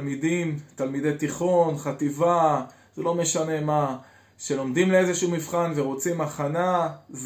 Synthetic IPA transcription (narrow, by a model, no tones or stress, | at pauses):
lmid̪imt̪almid̪e̞jt̪iχo̞nχat̪iva | z̥elo̞me̞ʃane̞ma | ʃe̞lo̞md̪imleezeʃuumifχanveʁot͡simaχanaz